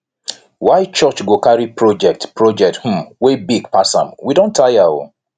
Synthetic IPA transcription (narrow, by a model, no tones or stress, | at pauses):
waɪt͡ʃɔt͡ʃɡokaɹipɹɔd͡ʒɛk̚tpɹɔd͡ʒɛk̚th̩mwebiɡ̚pʰasã̰mwidõntʰajao̰